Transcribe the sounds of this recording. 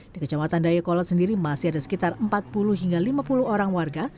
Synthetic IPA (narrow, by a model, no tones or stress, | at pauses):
d̥ikət͡ʃamat̪andajakɔlɔt̪̚səndiɾimasiadasə̥kit̪arəmpat̪̚puluɦiŋɡalimapuluhoɾaŋwarɡa